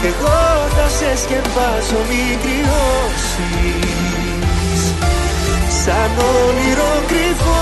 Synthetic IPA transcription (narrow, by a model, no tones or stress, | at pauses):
eɣokɐsescempasomi | kɾio | s | i | s | sɐnoliɾoɡɾifo